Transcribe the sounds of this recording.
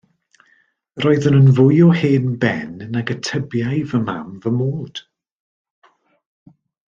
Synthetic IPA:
roːɨðənənvʊjɔheːnbɛ̰nnaɡətʰəbjajvəma̰mvəmoːd̥

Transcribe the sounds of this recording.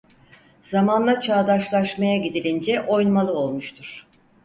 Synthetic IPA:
z̥amanlˠat͡ʃʰaːd̪aʃlˠaʃmajaɟid̪ilʲind͡ʒɛʔo̞jnmalˠɯo̞lˠmuʃt̪ʰuɾ̥

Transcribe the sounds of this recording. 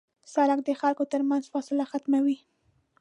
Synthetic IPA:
saɾak̚d̪əxalkot̪əɾmanzfɑsɪlaxat̪mawi

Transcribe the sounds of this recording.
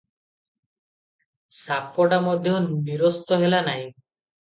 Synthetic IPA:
sapɔʈamɔd̪ʱjɔunːiɾɔst̪ɔɦelanaj

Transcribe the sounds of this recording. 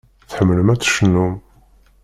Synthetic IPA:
θħəmːələmæt͡sːə̥ʃnːum

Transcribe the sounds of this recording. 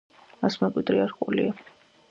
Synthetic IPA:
asmɛkʼwid̪ɾiaɾkʼulḭa

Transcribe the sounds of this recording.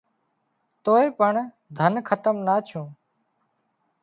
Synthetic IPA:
t̪oːeːpəɳ | d̪ʱənkʰət̪əmnaːt͡ʃʰõː

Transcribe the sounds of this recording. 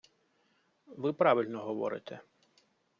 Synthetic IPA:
ʋɪpɾɑʋilʲnɔɦɔʋɔ̰ɾɪ̰t̪ʰɛ

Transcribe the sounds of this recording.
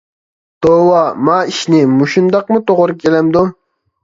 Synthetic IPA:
d̪̥owɑmɑːiʃnɪmuʃund̪ɑq̚mut̪oʁʊɾukʲʰelɛmd̪u

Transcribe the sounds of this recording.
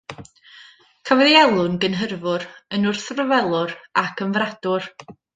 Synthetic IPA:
kʰavɔðiɛlˠʊnɡənɦərvʊɾənʊrθrəvɛlˠʊɾakʰənvrad̥ʊr

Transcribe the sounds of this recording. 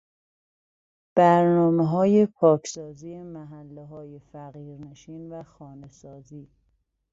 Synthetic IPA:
b̥æɾnɒːmeɦɒːje̞pʰɒːcʰsɒːziːemæɦælːeɦɒːjefæɣiːɾne̞ʃiːnvæxɒːne̞sɒːziː

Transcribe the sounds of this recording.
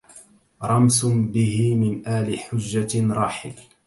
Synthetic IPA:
ɾˤɑmsbɪhɪmɪnʔaːlɪħʊd͡ʒːaɾˤɑːħɪl

